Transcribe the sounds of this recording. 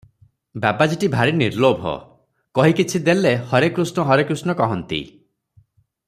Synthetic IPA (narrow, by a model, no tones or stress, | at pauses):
babad͡ʒiʈibʱaɾiniɾlobʱɔ̰ | kɔɦikit͡ʃʰid̪elehɔɾekɾusnɔɦɔɾekɾusnɔkɔɦɔnt̪ḭ